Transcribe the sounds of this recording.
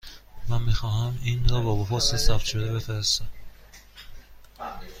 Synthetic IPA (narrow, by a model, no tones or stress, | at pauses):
mænmiːxɒːhæminɾɒːbɒːboɦosesæfʃʰod̪ebe̞feɾest̪æm